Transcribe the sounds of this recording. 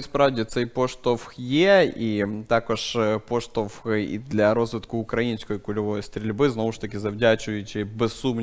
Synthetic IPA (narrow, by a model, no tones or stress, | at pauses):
ɪspɾavdʲɪt̪sɐipoʂt̪ofxjeit̪akɐʂpoʂt̪ofxḭd̪lʲɐɾo̞zvʲɪt̪kʊːkɾɐinsʲkojkʊlʲɪvo̞jst̪ɾʲɪlʲbɨznovʊʂt̪ɐkʲɪzɐvdʲæt͡ɕʊjʊt͡ɕɪbʲɪsːum